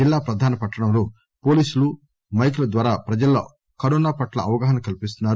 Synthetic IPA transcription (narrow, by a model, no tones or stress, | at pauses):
ilːaːpɾɐd̪ʱaːnɐpɐʈːɐɽɐmlo̞ː | po̞ːliːsulu | mɐjk̬ulɐd̪ʋaːɾaːpɾɐd͡ʒɐlːo̰ː | kɐɾɔːnaːpɐʈlɐɐʋɐɡaːɦɐnɐmkɐlipis̬t̪unːaːɾu